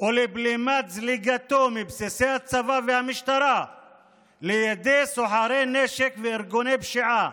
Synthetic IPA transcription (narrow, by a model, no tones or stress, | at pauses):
ʔoliblimazliɡat̪omibsisehat͡savavehamiʃt̪aɾa | lejad̪esoħaɾeneʃekveːɾɡonebʃiʕa